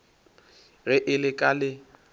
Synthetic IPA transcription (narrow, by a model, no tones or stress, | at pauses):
rɪʔɪlɪkʼalɪ